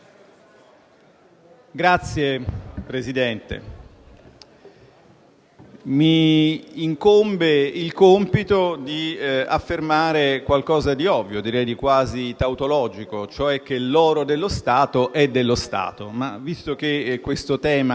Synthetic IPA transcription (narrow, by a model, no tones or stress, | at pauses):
ɡɾat̪sːjepɾezid̪ɛnt̪ḛ | miː | ŋkombeilkompit̪od̪ia̰fːermaːɾekwalkɔːzad̪iɔvːjod̪iɾɛjd̪ikwaːzit̪awt̪olɔːd͡ʒikot͡ʃoɛk̟ːelːɔːɾod̪elːost̪aːt̪oʔɛd̪ːelːost̪a̰ːt̪oma̰vist̪ok̟ekːwest̪ot̪ɛːma